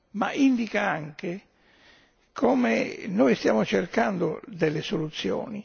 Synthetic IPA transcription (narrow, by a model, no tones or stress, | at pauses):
ma̰ʔind̪ikaaŋke | kʰɔmḛnɔjst̪jaːmʊt͡ʃerkand̪ʊ̰d̪ɛlːɪsolut̪sːjɔ̰ːni